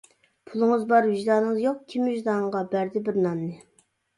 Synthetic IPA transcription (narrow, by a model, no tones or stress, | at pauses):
pʰulˠɨŋɨzbɑɾvid͡ʒd̪ɑːnɨŋzjoq̚kʲʰimyʒd̪ɑɴʁɑbæɾd̪ɪbɪɾnɑnnɨ